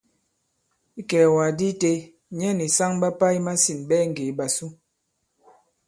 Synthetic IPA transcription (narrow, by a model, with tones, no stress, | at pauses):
i˦kɛ˨wa˨di˦te˦ | ɲɛ˦ni˨sa˦ŋɓa˦pa˦i˦ma˦si˨nɓɛ˦ŋ̩˨ɡe˨˦ɓa˨su˦